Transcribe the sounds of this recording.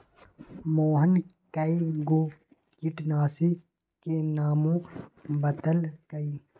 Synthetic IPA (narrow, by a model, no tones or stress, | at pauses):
moːɦən | kaiɡoː | kiʈnaːsi | kenaːmõbɐt̪əlkɐiː